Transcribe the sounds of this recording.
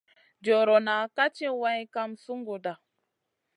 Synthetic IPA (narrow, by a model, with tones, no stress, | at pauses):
d͡ʒo˨ɾo˨na˨ka˦t͡ʃe˦wa˦jka˦msu˦ŋɡo˨da˨